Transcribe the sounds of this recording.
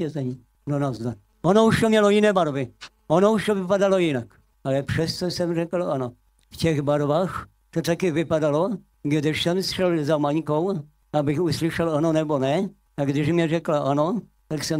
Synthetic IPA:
ɛzɛɲi | donazd̪a | ʔonouʃt̪omɲɛlojɪnɛːbaɾvɪ | ʔonouʃt̪ovɪpadalojɪnak | alɛpʂɛst̪osɛmrɛkl̩ʔano | fcɛɣbaɾbaːx | t̪ot̪akɪvɪpadalo | ɡdɪʃsɛmsʂɛlzamaɲkow | ʔabɪxuslɪʃɛlanonɛbonɛ | aɡdɪʃmɲɛrɛklaʔano | t̪aksɛm

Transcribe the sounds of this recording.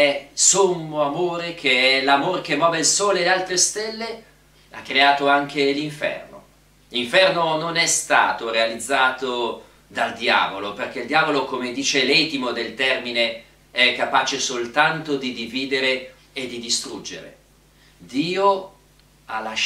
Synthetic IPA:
ɛsomːoamoːɾek̟ʰeɛlamoɾk̟emːɔːveilsoːlelealt̪ɾest̪ɛlːe | a̰kːɾeaːt̪oaŋkeliɱfɛ̰rno̰ | liɱfɛrnononɛst̪a̰ːt̪oɾealid̪zːaːt̪o | d̪ald̪ja̰ːvoloperk̟eild̪jaːvolokomed̪iːt͡ʃelɛt̪imod̪elt̪ɛrmine | ɛkːapaːt͡ʃesolt̪ant̪od̪id̪iviːd̪eɾe | ed̪ːid̪ist̪ɾud͡ʒːḛɾḛ | d̪iːo | alːaʃ

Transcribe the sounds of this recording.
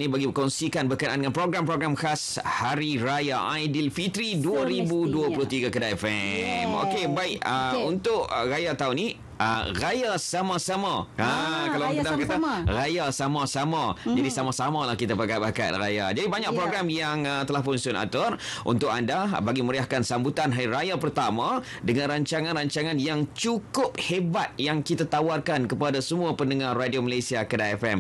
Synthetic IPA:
nĩbaɡikɔnsikanbəkənʔandəŋãnpɾoɡɾampɾoɡɾamkas | haɾiɾajaʔajdilfit̪ɾiduaɾibuduaplʊht̪iɡakədaɛfɛmo̰kebaɪkəunt̪ʊʔrajat̪auni | ə̰rajasamasamaakalaaŋkt̪abkat̪arajasamãsamãd͡ʒadisamasamalahkit̪apaɡapaka̰t̪̚raja̰d͡ʒadibaɲak̚pɾoɡɾamjaŋt̪əlahpʊnsʊna̰t̪ɔrʔṵnt̪ʊkandabaɡiməɾiahkansambut̪anɦajɾajapərt̪amã | dəŋãnɾaɲt͡ʃaŋãnraɲt͡ʃaŋãnjaŋt͡ʃukʊp̚hebat̪̚jaŋkit̪at̪awarkankəpadasəmũapəndəŋarːadioməlasiakədaɛfɛm

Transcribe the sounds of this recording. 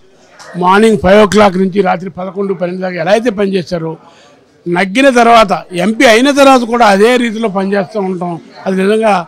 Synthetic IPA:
maːɾniŋɡpʰɐjʋok̬laːk̬nuɲt͡ʃiɾaːt̪ɾipɐd̪ɐkoɳɖupɐneɳɖd̪aːkːaɛlaːɐjt̪̬e̞ːpɐnit͡ʃɛːsaːɾu | nɐɡːinɐt̪̬ɐɾʋaːt̪̬ɐempiɐjnɐt̪̬ɐɾʋaːt̪ɐkuːɽaːɐd̪eːɾiːt̪̬ilo̞ːpɐnit͡ʃeːst̪aːuɳɐʈɐmɐd̪inizɐŋɡaː

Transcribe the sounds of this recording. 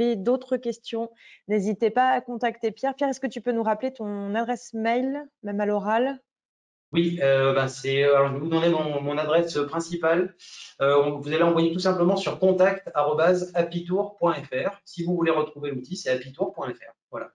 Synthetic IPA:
id̪ot̪χəkʲɛst̪jɔ̃nezit̪epaːkɔ̃t̪akt̪epjɛʁpjɛʁɛskət̪ypønuʁaplet̪ɔ̃nad̪ʁɛsmɛjlmɛmalɔʁal | wiøbɛ̃sɛøalɔʁʒəvevud̪mɑ̃d̪ed̪ɑ̃mɔ̃nad̪ʁɛsøpχɛ̃sipaløɔ̃vuzaleɑ̃vwajet̪usɛ̃pləmɑ̃syʁkɔ̃t̪akt̪aʁɔbazaplit̪uʁpwɛ̃ɛfɛʁsivuvuleʁət̪χuvelut̪isɛaplit̪uʁpwɛ̃ɛfɛ̰ʁvwala̰

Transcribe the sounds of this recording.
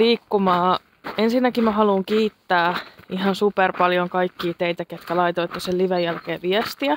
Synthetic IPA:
liːkːumɑː | ensinːækimæɦɑluːŋkiːt̪ːæːʔiɦɑnsuperpɑljoŋkɑikːiːt̪eit̪æket̪kælɑit̪oit̪ːoselliʋejjælkeːʋiɛst̪iæ

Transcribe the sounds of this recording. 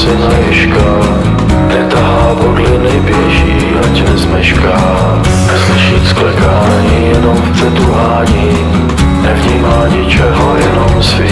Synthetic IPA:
sɪnajɪʃka | jɛt̪aɦaːboɡlɪnɛjbjɛʃi | acɛzmɛʃkaː | slɪʃit̪sklɛkaːɲiːjɛnomfpr̥ɛt̪uɦaːɲiː | nɛvɲiːmaːɲɪt͡ʃɛɦojɛnomsvɪ

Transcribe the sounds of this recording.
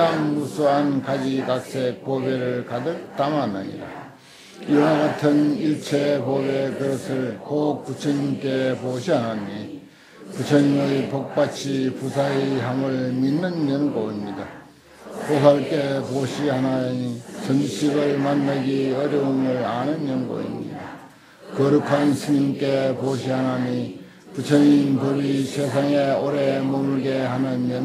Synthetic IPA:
aŋmusʰuankad͡ʑikak̚s͈ek̚pobeɾɯɭkadɯk̚t͈amanaɲḭɾa̰ | iwaɡatʰɯniɭt͡ɕʰepobekɯɾʌsʰɯɭkop͈ut͡ɕʰʌɲimk͈epoɕʰianani | put͡ɕʰʌɲimɯipok̚p͈at͡ɕʰipusʰaiɦamɯɭminːɯnːenɯnkoimɲida | posʰak͈epoɕʰihanaɲit͡ɕʌnd͡ʑiɕʰiɡɯɭmanːaɡiʌɾjʌumɯɭanɯnːʌnɡʌ̰ḭmɲḭda | kʌɾɯkʰansʰɯɲimk͈epoɕ̬ʰiɦanaɲi | put͡ɕʰʌɲinpɯbisʰesʰaŋeoɾemomuɭɡehanɯnːʌn

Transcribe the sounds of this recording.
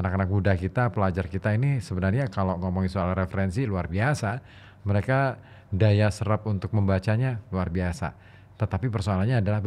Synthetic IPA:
anakanak̚budakit̪apəlad͡ʒarkit̪ainisəbənarɲakaloŋɔmɔŋisoalrefəɾɛnsiluarbiasa | məɾeka | dajasəɾap̚unt̪ʊk̚məmbat͡ʃaɲaluarbiasa̰ | t̪ət̪apipərsoalanɲaːdalah

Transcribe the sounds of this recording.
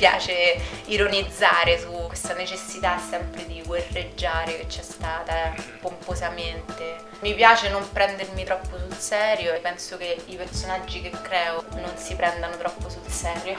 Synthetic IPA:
pja̰ːt͡ʃeiɾonid̪zːaːɾesukːwest̪anet͡ʃesːit̪asːɛmpɾed̪iɡwerːed͡ʒːaːɾeket͡ʃːɛst̪aːt̪apompozament̪e | mipjaːt͡ʃenompɾɛnd̪ermit̪ɾɔpːosulsɛːɾjoepːɛnsokeipersonad͡ʒːikekːɾɛːononsipɾɛnd̪anot̪ɾɔpːosulsɛːɾjo

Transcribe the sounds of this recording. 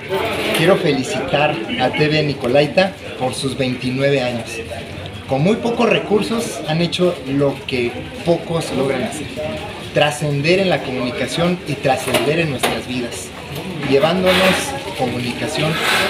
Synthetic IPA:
kje̞ɾo̞fe̞lisit̪aɾat̪e̞βe̞niko̞lajt̪a | po̞ɾsuzβe̞jnt̪inwe̞β̞e̞aɲo̞s | ko̞nmujpo̞ko̞sre̞kuɾso̞sane̞t͡ʃo̞lo̞ke̞ | po̞ko̞selo̞ɣ̞ɾanase̞ɾ | t̪ɾase̞nd̪e̞ɾe̞nlako̞mũnikasjo̞nit̪ɾase̞nd̪e̞ɾe̞nːwe̞st̪ɾazβið̞as | ʝe̞βand̪o̞no̞sko̞mũnikasjo̞n

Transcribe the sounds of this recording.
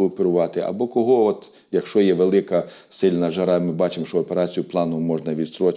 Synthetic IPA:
ɔpeɾʊʋɑt̪ɪʔɐ̰bɔkɔɦɔɔt̪ | jɐkʃt͡ʃɔjɛʋelˠɪkɐ | sɪlʲnɐʒɐɾɑmɪbɑt͡ʃɪmʃt͡ʃɔɔpeɾɑt͡sʲijʊplˠɑnɔmɔʒnɐʋʲist̪ɾɔt͡ʃ

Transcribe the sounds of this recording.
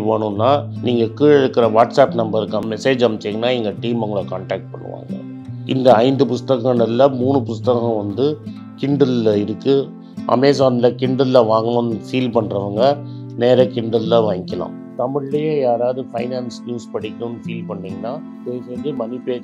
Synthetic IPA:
ʋoːɳɯnːaːniːŋɡɐkiːɭɛɽɯkːɪɾɐʋaːʈsaːpnɐmbɐɾɯkːɐmɛseːd͡ʒɐmt͡ʃːɛŋɡɐnːaːɛŋɡɐʈiːmʊŋɡɐɭɐkaːɳʈaːk̚ʈ̚pɐ̰ɳːɯ̰ʋa̰ːŋɡɐ̰ | ɪ̰nd̪ɐɐɪnd̪ɯpʊst̪ɐkɐ̃nɐllɐmuːɳɯpʊst̪ɐkɐ̃ʋɐnd̪ɯ | kɪɳɖɯllɐɪɾɯkːɯ | ʔɐ̰meːs̬aːnɪlɐkɪɳɖɯðlɐʋaːŋɡɐɳɐnfiːlpɐɳːɾɐʋɐŋɡɐ | neːɾɐkɪɳɖɯllɐʋaːŋɡɪkːɐlã̰ːm | t̪ɐmɪɻlɐjẽjaːɾaːðɯfɐɪnaːnsnjuːspɐɽɪkʲːɐɳɯnːfiːlpɐɳːiːŋɡɐnːaː | peːjsenimɐnɪpeː

